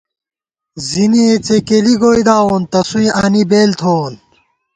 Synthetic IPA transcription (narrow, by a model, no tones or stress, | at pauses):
ziniet͡sekeliɡoːid̪aːoːnt̪ɐsuĩʔaːnibeːlt̪ʰoːn